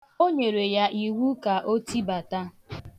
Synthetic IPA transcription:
o˦ɲe˨ɾe˨ja˦ʔi˨wu˦ka˨ʔo˦ti˦ba˨ta˦

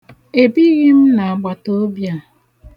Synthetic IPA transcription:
e˨bi˦ɣi˦m̩˦na˨a˨ɡ͡ba˨to˦bja˦˨

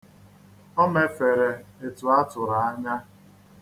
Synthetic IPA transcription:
ɔ˦me˨fe˨ɾe˨e˨tʊ˨a˦tʊ˨ɾa˨a˦ɲa˦

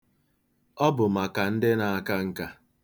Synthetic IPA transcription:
ɔ˦bʊ˨ma˨ka˨n̩˦dɪ˦na˨a˨ka˦ŋ̩˨ka˦

